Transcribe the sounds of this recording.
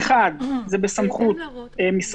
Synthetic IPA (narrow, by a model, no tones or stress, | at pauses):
χad̪zebesamχut̪emis